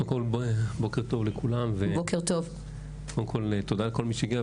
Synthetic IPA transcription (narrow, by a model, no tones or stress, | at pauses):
ekolbbokeʁt̪o̞vlekulamvebokeʁt̪ov | kodemko̞lt̪od̪alko̞lmiʃeɡia